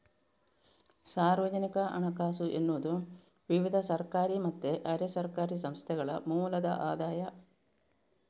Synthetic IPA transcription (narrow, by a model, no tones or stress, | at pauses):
saːrʋɐd͡ʑɐnikɐʔɐ̰ɳɐkaːsuʔenːuʋɐd̪um | ʋiʋid̪ʱɐsɐrkaːɾimɐt̪ːeʔɐɾɐsɐrkaːɾis̬ɐmst̪ʰɐɣɐɭɐ̰muːlɐd̪ɐ̰ʔaːd̪aːjɐ